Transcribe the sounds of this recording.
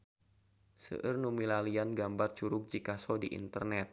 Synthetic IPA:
sə̰ʔɨrnumilalianɡambart͡ʃuɾʊk̚d͡ʒikasɔdiʔḭnt̪ərnɛt̪̚

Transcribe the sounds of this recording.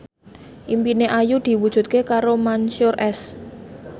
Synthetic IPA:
ʔimpineʔajud̪̥i̤wud̥ʒ̥ṳt̪̚kekaɾomanʃʊrɛs

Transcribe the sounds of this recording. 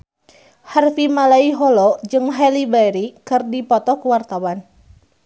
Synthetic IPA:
harfimalaiɦɔlɔd͡ʒɨŋɦalibaɾikɨrdipɔt̪ɔkəwart̪awan

